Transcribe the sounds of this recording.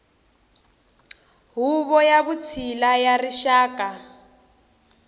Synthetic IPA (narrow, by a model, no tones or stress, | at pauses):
ɦuβɔjaβut͡sʰilajariʃaːka